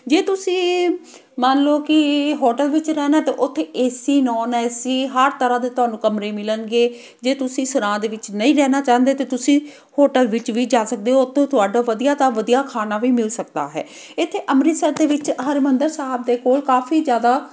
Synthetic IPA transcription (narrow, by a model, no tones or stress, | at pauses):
d͡ʒeːt̪ʊsĩː | mənloːkɪɦoːʈəlʋɪt͡ʃɾɛːnaːt̪eːʔʊt̪ʰːeːeːsiːnɔːnɛsiːɦəɾt̪əɾãːd̪eːt̪ʊaːnũːkəmɾeːmɪlənɡeː | d͡ʒeːt̪ʊsĩːsəɾãːd̪eːʋɪt͡ʃnəĩːɾɛːnaːt͡ʃaːənd̪eːt̪eːt̪ʊsĩː | hoːʈəlʋɪt͡ʃʋiːd͡ʒaːsək̚d̪eːot̪ʰːõːt̪ʊaːɖaːʋəd̪ijaːt̪aːʋəd̪ijaːkʰaːnaːʋiːmɪlsək̚d̪a̰ːɦɛ̰ː | ɪt̪ʰːeːʔəmɾɪːsəɾd̪eːʋɪt͡ʃɦəɾmənd̪əɾsaːb̚d̪eːkoːlkaːfʰiːzjaːd̪aː